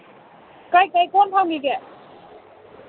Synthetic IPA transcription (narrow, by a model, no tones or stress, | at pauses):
kajkajkɔnpʰawɡiɡɛ